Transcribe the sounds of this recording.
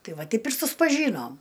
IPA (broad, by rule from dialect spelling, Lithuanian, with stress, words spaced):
ˈtɐɪ ˈʋɐ ˈtʲɛɪp ɪr sʊspɐˈʒʲiːnoːm